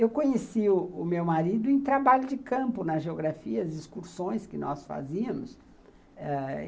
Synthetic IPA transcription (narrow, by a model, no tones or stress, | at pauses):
ewkõɲesiʊʊmewmaɾid̪ʊẽj̃t̪ɾabaʎʊd͡ʒɪkɐ̃mpʊnɐʒeoɡɾafiɐɐziskuɾsõj̃skɪnɔ̰sfa̰ziɐmʊs | ɛ